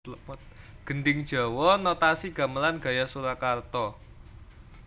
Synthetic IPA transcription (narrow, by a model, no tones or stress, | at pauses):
t̪̚ | ɡ̥ənɖɪŋd̥ʒ̥a̤wɔnɔt̪asiɡ̥a̤məlanɡ̥ä̤jasuɾakart̪ɔ